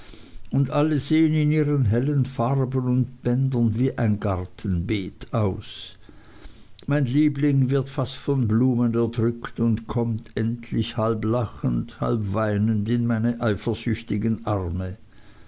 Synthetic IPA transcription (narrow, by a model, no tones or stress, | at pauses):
ʊndʔaləzeːənɪniːʁənɦɛlənfaʁbənʊntb̥ɛndɐnviːʔaɪnɡaʁtʰən̩beːtaʊs | maɪnliːblɪŋvɪɐtfastfɔnbluːmənɛɐdʁʏktʊntkʰɔmtʰʔɛntʰlɪçhalblaχəntha̰lpv̥aɪnəntɪnmaɪnəʔaɪfɐzʏçtɪɡənʔaʁmə